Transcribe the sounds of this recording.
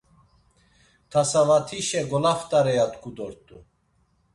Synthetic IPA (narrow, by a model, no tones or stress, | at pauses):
t̪ʰasavat̪ʰiʃɛɡɔlaft̪ʼaɾɛjat̪ʼkʰud̪ɔɾt̪ʼu